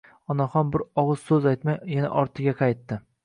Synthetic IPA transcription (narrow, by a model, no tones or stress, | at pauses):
ɒnaχɒnbɪɾɒʁɨz̥sɵzajt̪majjana̰ʔɒɾt̪ʰɪɡʲaqʰɑjt̪ːɪ